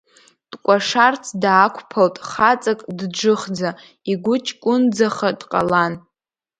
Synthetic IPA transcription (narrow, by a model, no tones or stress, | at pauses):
d̥ʼkʷʼaʂart͡sʰdːkʷʰpʰaltʼχat͡sʼakʼdd͡ʒɨχd͡za | iɡʷʊt͡ʃʰʼkʷʼʊnd͡zaχadqʼa̰lan